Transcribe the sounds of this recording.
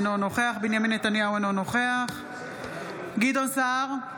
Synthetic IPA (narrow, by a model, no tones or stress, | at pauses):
nono̞χeaχbinjaminːet̪anjauenono̞χeaχ | ɡid̪onsaʁ